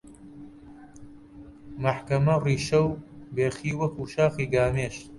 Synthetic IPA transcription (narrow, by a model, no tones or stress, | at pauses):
mɐħkɐmɐriːʃɐwbeːxiːwɐkʰuːʃaːxiːɡaːmeːʃ